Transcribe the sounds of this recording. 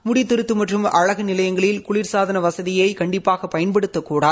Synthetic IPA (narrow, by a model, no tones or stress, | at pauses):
mʊɽɪt̪ːɪɾɯt̪ːɯmɐʈrɯmɐɻɐɣɯnɪlɐjɐŋɡɐɭɪlkʊɭɪɾsaːðɐnɐʋɐsɐðɪjɐɪkɐɳɖɪpːaːɣɐpːɐjɐnpɐɽɯt̪ːɐkːuːɽaːð